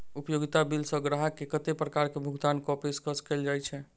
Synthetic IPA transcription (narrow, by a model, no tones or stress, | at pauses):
upjoɡit̪abilsəɡɾaɦəkːekət̪epɾəkaɾkebʱuɡd̪ankɔpeskəskeld͡ʒajt͡ʃʰɛ